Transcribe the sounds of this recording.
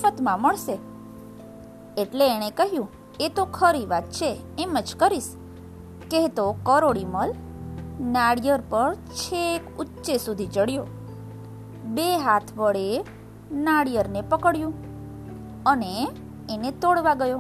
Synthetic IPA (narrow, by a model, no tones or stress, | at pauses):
ət̪mãməɭʃe | eʈleːɽ̃ekəɦjũ | et̪okʰəɾiʋat̪̚t͡ʃʰeːməd͡ʒkəɾiʃ | keet̪okəɾoɽiməl | naɽjəɾpəɾt͡ʃʰekutːʃesud̪ʱid͡ʒəɽjo | beɦat̪ʰʋəɭe | naɽijəɾnepəkəɽjũ | əneː | net̪oɽʋaɡəjo